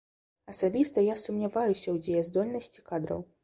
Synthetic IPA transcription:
ɐsabʲist̪ɐjasumnʲavajusʲɐwd͡zʲejɐzd̪ɔlʲnɐsʲt͡sʲi̥kad̪ɾɐ̰w

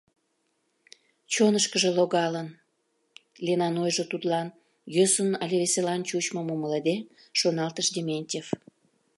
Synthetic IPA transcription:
t͡ɕonəʃkəʒĕloɣɑlən | lʲenɑnojʒot̪ut̪lɑn | jøsənɑlʲeβeselɑnt͡ɕut͡ɕmomumələd̪e | ʃonɑlt̪əʃd̪ʲemʲenʲtʲef

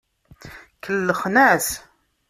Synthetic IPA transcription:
kʰəlːəχnæθ

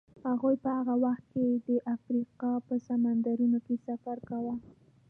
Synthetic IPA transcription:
haɣujpəhaɣawaxt̪̚ked̪əʔafɾiqɑpəsamand̪aɾunokesafaɾkawa

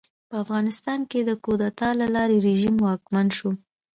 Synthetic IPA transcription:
pəafɣɑnɪst̪ɑnked̪əkod̪at̪ɑlalɑɾeɾeʒimwɑkmanʃo

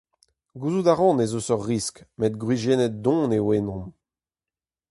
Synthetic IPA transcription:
ɡuːzud̪aʁɑ̃nezosɔʁːiskmet̪̚ɡʁwiʒeːnɛt̪̚d̪ɔ̃newenɔ̃m

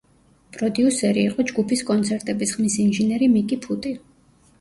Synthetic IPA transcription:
pʼɾɔd̪iusɛɾiːqʼɔd͡ʒɡupʰiskʼɔnt̪sʰɛɾt̪ʼɛbisχmisinʒɛnɛɾimikʼipʰut̪ʼi

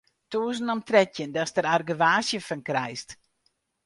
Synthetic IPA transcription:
tuːsn̩ɔmtrɛtjəndɔstəɾarɡəʋaːsjəfənkrɛjst

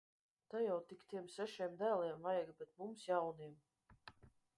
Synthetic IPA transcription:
t̪ajawt̪ikt̪iɛmsɛʃiɛmd̪æːlˠiɛmvajaɡbʲɛt̪̚mumsjawniɛm

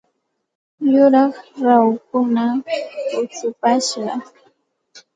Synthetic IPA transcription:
jʊɾɑχɾawkʊnaʊt͡sʊpaʃɢɑ

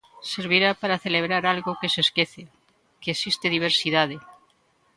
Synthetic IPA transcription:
seɾβ̞iɾapaɾaθeleβ̞ɾaɾalɣokeseskeθe | keːsist̪eðiβ̞eɾsiðað̞e

